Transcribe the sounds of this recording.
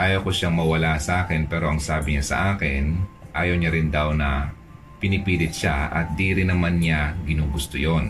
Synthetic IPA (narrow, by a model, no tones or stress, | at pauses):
ʔaːjowkoʃaŋmɐwɐlasɐʔaːkɪnpɛːɾo̞ʔɐŋsaːbɪɲasɐ̰ʔaːkɪnʔaːjɐwɲaɾɪnd̪awnɐ | pɪnɪpiːlɪt̪̚ʃaʔɐ̰t̪̚d̪iːɾɪnːɐmanɲaɡɪnuːɡʊst̪ojon